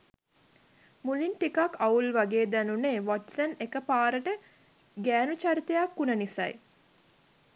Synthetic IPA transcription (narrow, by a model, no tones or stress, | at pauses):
mulinʈikakːaulʋaɡeːd̪ænuneʋɔʈsənekəpaːɾəʈə | ɡæːnut͡ʃaɾit̪ejakːunənisa̰j